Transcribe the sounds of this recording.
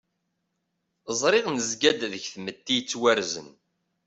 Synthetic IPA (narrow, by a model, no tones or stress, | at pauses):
zˤɾˤɪʁnəzɡæd̪ðəçθmət̪ːijt͡sːwæɾzə̰n